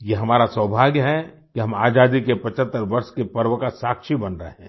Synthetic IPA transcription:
jeɦɐmaːɾasəːbʱaːɡjəɦɛ | kiɦɐmaːd͡ʒaːd̪ikepɐt͡ʃət̪ːəɾʋɐɾʃkepɐɾʋəkasaːkʃibɐnɾəɦeɦɛ̃ː

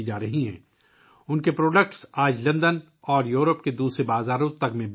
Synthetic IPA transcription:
id͡ʒaːɾɐɦiɦɛ̰̃ː | ʊnkepɾoːɖəkʈsaːd͡ʒlɐ̃nd̪ən | ɔːɾjuːɾəpked̪uːsɾebaːzaːɾʊ̃t̪ɐkmẽb

